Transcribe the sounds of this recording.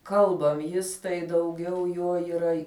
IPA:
ˈkɐlˠbɐm ˈjɪs tɐɪ dɐʊˈɡʲɛʊ ˈjoː iːˈrɐ

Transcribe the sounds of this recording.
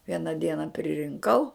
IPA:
ˈʋʲiɛnɐ ˈdʲiɛnɐ pʲrʲɪrʲɪŋˈkɐʊ

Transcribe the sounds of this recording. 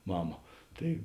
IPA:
ˈmɑːmɐ ˈtɐɪ

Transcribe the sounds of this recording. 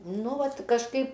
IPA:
ˈnʊ ˈʋɐt kɐʃˈkɐɪp

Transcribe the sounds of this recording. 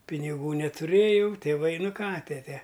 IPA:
pʲɪnʲɪˈɡuː nʲɛtʊˈrʲeːjɛʊ tʲeːˈʋɐɪ ˈnʊ ˈkɑː ˈtʲæːtʲɛ

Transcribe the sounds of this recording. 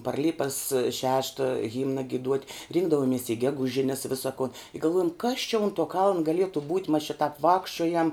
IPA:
pɐr ˈlʲɪpɐs ˈʃʲæːʃtɐ ˈɣʲɪmnɐ ɡʲɪˈduɔtʲ ˈrʲɪŋɡdɐʋoːmʲiɛs ɪ ˈɡʲæːɡʊˌʒʲɪnʲɛs ˈʋʲɪsɐ koːn ɪ ɡɐlˠˈʋuɔjɛm kɐs t͡ʃʲɛ ʊn tuɔ kɐlˠn ɡɐˈlʲiɛtʊ buːtʲ mɐs t͡ʃʲɪ tɐp ˈʋɑːkʃʲt͡ʃʲoːjɛm

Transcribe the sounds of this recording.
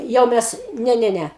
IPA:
ˈjɛʊ mʲɛs ˈnʲɛ ˈnʲɛ ˈnʲɛ

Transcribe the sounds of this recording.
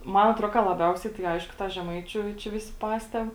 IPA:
ˈmɐn ɐtˈroː kɐ lˠɐˈbʲɛʊsʲɛɪ tɐɪ ˈɐɪʃkʊ ˈtɑː ʒʲɛˈmɐɪt͡ʃʲʊ t͡ʃʲɛ ˈʋʲɪsʲɪ ˈpɑːsʲtʲɛp

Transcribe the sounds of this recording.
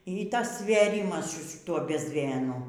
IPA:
iː ˈtɐs sʲʋʲeːˈrʲɪmɐs sʊ ʃʲɪˈtuɔ bʲɛzʲˈmʲeːnʊ

